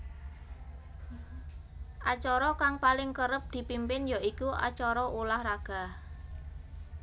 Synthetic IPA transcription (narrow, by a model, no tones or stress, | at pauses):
ʔa̰t͡ʃɔɾɔkaŋpalɪŋkəɾəp̚d̪̥i̤pimpɪnjaikuʔa̰t͡ʃɔɾɔʔulahɾaɡ̥a̤h